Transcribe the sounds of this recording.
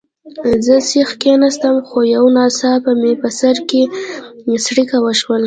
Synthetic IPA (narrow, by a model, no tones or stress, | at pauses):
zəsixkenast̪əmxojawnɑsɑpəmepəsaɾke | sɽikawəʃwəl